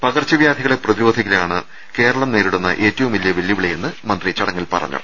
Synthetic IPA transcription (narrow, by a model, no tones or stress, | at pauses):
pɐɣɐrt͡ɕːɐʋjaːd̪ʱiɣɐɭeprɐðiɾo̞ːd̪ʱikːilaːɳɨ | ke̞ːɾɐɭɐmne̞ːɾiɽunːɐ̰ʔe̞ːtːɐʋumilijɐʋiljɐʋiɭɐje̞nːɨmɐnd̪rit͡ɕɐɽɐŋːɐlpɐ̰rɐ̰ɲːɐ̰